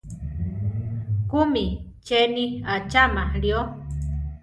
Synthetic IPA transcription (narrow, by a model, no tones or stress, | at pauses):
kumi | t͡ʃeniat͡ʃamaɺio